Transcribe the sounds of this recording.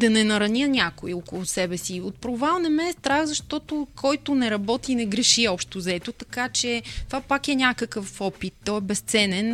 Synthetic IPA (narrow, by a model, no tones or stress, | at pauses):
d̪ɐnɛnɐɾɐnʲənʲakoiokʊlˠʊsɛbɛsiot̪̚pɾovalˠnɛmɛst̪ɾaɣzɐʃt̪ɔt̪okʰɔjt̪ʊnɛɾɐbɔt̪inɛɡɾɛʃiɔpʃt̪ozɐɛt̪ʊt̪ɐkat͡ʃɛt̪ovapakɛnʲakəkəfɔpit̪ːɔɛbɛst̪sɛnɛn